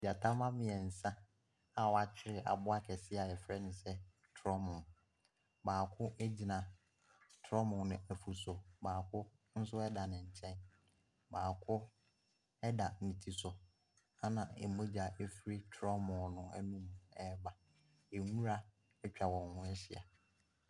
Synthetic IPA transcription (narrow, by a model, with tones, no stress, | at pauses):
d͡ʑa˨tʰã˦mã˦mɪ̃˨ɛ˨n̩˨sã˦ | a˨wɔ˨a˨t͡ɕʰɪ˦ɾɪ˨ʔa̰˨bʊ˦a˦kʰɛ˨sɪ˦a˨ɛ˨fɾɛ˦nɪ̃˨sɛ˦ | tʰɾɔ˦mʊ̃˨ | baː˨kʰʊ̃˦ʔe˦d͡ʑi˨nã˨ | tʰɔ˦mʊ̃˨nʊ̃˨æ˨fu˨sʊ˨baː˨kʰʊ˦ | n̩˦sʊ˦ɛ˦da˨nɪ̃˨ɲ̩˨t͡ɕʰɛ̃˦n | baː˨kʰʊ˦ | ɛ˦da˨nĩ˨tʰi˨sʊ˨ | a˦nã˨ḛ˨mõ˦d͡ʑa˨e˦fɾi˦tʰɾɔ˦mʊ̃˨nʊ̃˦æ̰˦nũ˦m̃˨ɛ˦ba˨ | e˨ŋũ˦ɾa˦ | ɛ˦t͡ɕᶣa˨wɔ̃˨nhʊ̃˦ɛ˦ɕɪ̰˨a̰˨